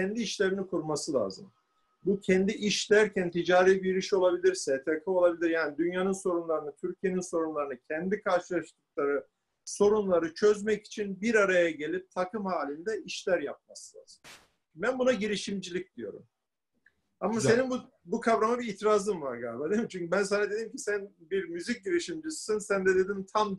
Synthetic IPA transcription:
cʰɛnd̪iːʃlʲe̞ɾinikʰuɾmasɯlˠa̰ːzɯ̰m | bucʰɛnd̪iʔiʃlʲæɾcʰænt̪ʰid͡ʒaːɾijbiɾiʃo̞lˠabilʲiɾsɛt̪ʰakʰɯo̞lˠabilʲiɾjaːnid̪ynjanɯnso̞ɾunlˠaɾɯnɯt̪ʰyɾcʰije̞ninso̞ɾunlˠaɾɯnɯcʰɛnd̪ikʰaɾʃɯlˠaʃt̪ɯk̚lˠaɾɯ | so̞ɾunlˠaɾɯt͡ʃʰøzmɛci̥t͡ʃʰinbiɾaɾajaɟe̞lʲip̚t̪ʰakɯmhaːlʲind̪ɛiʃlʲæɾjap̚maslˠa̰ɾ̥ | bænbunaɟiɾiʃimd͡ʒilʲic̚d̪ijo̞̰ɾṵm | amase̞ninbu | bukʰavɾamabiit̪ɾaːzɯmvaɾɡa̰lʲbad̪emit͡ʃʰyɲcybæns̬anad̪e̞d̪imcʰisænbiɾmyzic̚ɟiɾiʃimd͡ʒisi̥sinsænd̪ɛd̪e̞d̪imt̪ʰam

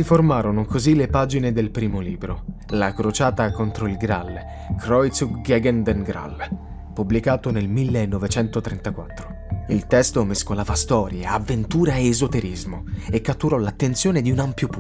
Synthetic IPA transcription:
siformaːɾonokozilepaːd͡ʒined̪elpɾiːmoliːbɾo | lakɾot͡ʃaːt̪akont̪ɾoilɡɾa̰lː | kɾɔjt̪suɡɛɡɛnd̪ɛnɡɾa̰lː | publikaːt̪onelmilːeːnːovet͡ʃɛnt̪ot̪ɾɛnt̪akwat̪ːɾo | ilt̪ɛst̪omeskolaːvast̪ɔːɾjaːvːent̪uːɾaeːzot̪eɾizmoekːat̪ːuɾɔlat̪ːent̪sjoːned̪iunampjopu

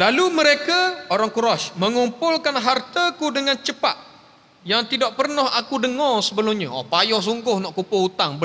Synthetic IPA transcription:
laluməɾekaoɾaŋkuɾaʃmə̃ŋumpʊlkanɦart̪akudəŋãnt͡ʃəpat̪̚ | jaŋt̪idaʔpərnɔɦakudəŋɔrsəbəlʊmɲaʔɔpajɔhs̬uŋɡʊhnɔʔkupʊut̪aŋbə

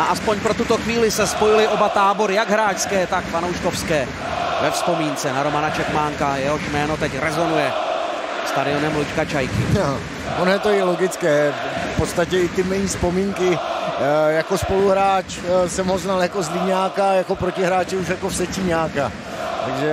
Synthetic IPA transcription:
aʔaspoɲpɾo̞t̪ut̪oxviːlɪsɛspo̞jɪlɪʔo̞bat̪aːbo̞ɾɪjaɡɦɾaːʃskɛːt̪akfanowʃkofskɛː | vɛfspo̞miːnt͡sɛnaɾo̞manat͡ʃɛkmaːŋkajɛɦoʃmɛːno̞t̪ɛcɾɛzo̞nujɛ | st̪adɪo̞nɛmlut͡ʃkat͡ʃajkɪa | onjɛt̪ojɛlo̞ɡɪt͡skɛː | fpot̪st̪acɛɪt̪ɪmɛjiːspo̞miːŋkɪ | jako̞spo̞luɦɾaːt͡ʃsɛmɦoznaljakozlɪɲaːkajako̞pɾocɪɦɾaːt͡ʃɪuʃ̬jakofsɛciɲaːka | t̪aɡʒɛ

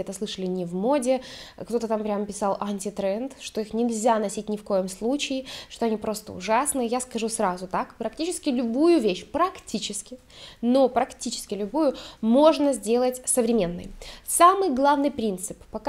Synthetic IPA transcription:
ɛt̪əsˠɨʂəlʲɪnʲɪvmo̞dʲɪkt̪o̞t̪ət̪ampɾʲaməpʲɪsalˠʔɐnʲtʲɪt̪ɾɛnt̪ʂt̪o̞ixnʲɪlʲzʲanɐsʲitʲnʲɪfko̞jɪmslˠut͡ɕɪɪʂt̪o̞ɐnʲipɾo̞st̪əʊ̰ʐasnɨjaskɐʐusɾazʊt̪akpɾɐk̚tʲit͡ɕɪskʲɪlʲʊbujʊvʲeɕpɾɐktʲit͡ɕɪskʲɪ | no̞pɾɐktʲit͡ɕɪ̥skʲɪlʲʊbujʊmo̞ʐnəzʲdʲe̞lˠətʲsəvɾʲɪmʲe̞nːɨ̰jsamɨjɡlˠavnɨjpɾʲint̪sɨpːɐk

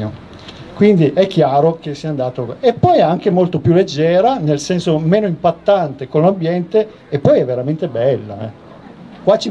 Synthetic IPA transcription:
o | kwind̪iʔɛkːjaːɾok̟esiand̪aːt̪oepːɔjɛaŋk̟emolt̪opjulːed͡ʒːɛːɾanelsɛnsomeːnoimpat̪ːant̪ekonlambjɛnt̪eː | pːɔjɛvːeɾament̪ebɛlːa̰ɛ̰ | kwat͡ʃi

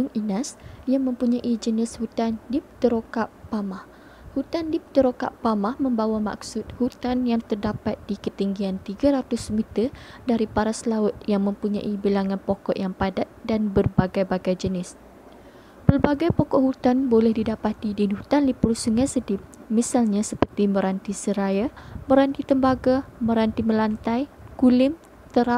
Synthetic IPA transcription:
ʊŋinasjaŋmə̃mpuɲaʔid͡ʒənɪshut̪andipt̪əɾokaʔpamah | hut̪andipt̪əɾoka̰pamahmə̃mbawama̰ksʊt̪̚hut̪anjaŋt̪ərdapat̪̚d̥ikət̪iŋɡiant̪iɡaɾat̪ʊsmit̪ədaɾipaɾaslaʊt̪̚jaŋmə̃mpuɲã̰ʔibilaŋãnpokɔ̰ʔjaŋpadat̪̚danbərbaɡajbaɡajd͡ʒənɪs | bərbaɡajpɔkɔʔhut̪anbolɛhdidapat̪idinhut̪anlipʊrsuŋasədɪp̚misalɲasəpərt̪imə̃ɾant̪isəɾajamə̃ɾant̪it̪əmbaɡamə̃ɾant̪imə̃lant̪ajkulɪm | t̪əɾaʔp̚

